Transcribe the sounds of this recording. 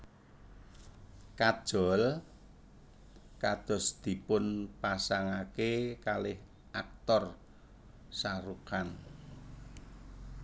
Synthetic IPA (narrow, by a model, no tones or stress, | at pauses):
kad̥ʒ̥ɔ̤l | kad̪̥ɔ̤sd̪̥i̤pʊnpasaŋakekalɪh | ʔak̚t̪ɔr | saɾukan